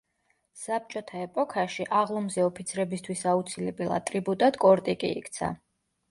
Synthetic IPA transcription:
sap̚t͡ʃʼɔt̪ʰaɛpʼɔkʰaʃiʔaʁlˠɔmzɛɔpʰit̪sʰɾɛbist̪ʰwisaut̪sʰilɛbɛlˠa̰t̪ʼɾibut̪ʼad̪kʼɔɾt̪ʼikʼḭḭkʰt̪sʰa̰

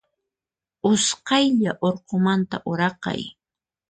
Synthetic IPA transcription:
ʊsqɑjʎaʔoɾqomant̪a̰ʔʊɾɑqɑ̰j

